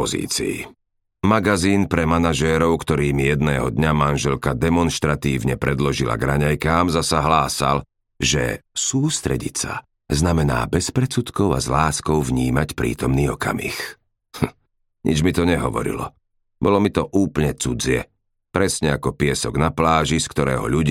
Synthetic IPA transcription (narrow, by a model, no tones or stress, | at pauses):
ɔzḭːt͡sḭḭ | maɡaziːnpɾɛmanaʒɛːɾɔʊkt̪ɔɾiːmijɛd̪nɛːɦɔd̪ɲamanʒɛlkad̪ɛmɔnʃt̪ɾat̪iːʊɲɛpɾɛd̪lɔʒila̰ɡɾaɲajkaːmzasaɦlaːsa̰l | ʒɛ̰suːst̪ɾɛ̰ɟit͡sa̰ | znamɛna̰ːbɛspɾɛt͡sut̪kɔʊa̰zlaːskɔʊvɲiːmacpɾḭːt̪ɔmniːɔka̰mḭx | ɲʔḭd͡ʒmit̪ɔɲɛɦɔʋɔ̰ɾḭlɔ̰ | bɔlɔmit̪ɔʔuːpl̩ɲɛt͡sud͡zɪɛ̰ | pɾɛsɲɛakɔpɪɛsɔɡnaplaːʒiskt̪ɔɾɛ̰ːɦɔ̰ʎuɟ